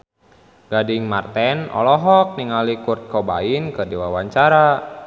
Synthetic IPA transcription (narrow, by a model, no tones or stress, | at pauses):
ɡ̥adiŋmart̪ɛnʔɔ̰lɔɦɔk̚niŋalikurt̪̚kɔba̰inkədiwawaɲt͡ʃaɾa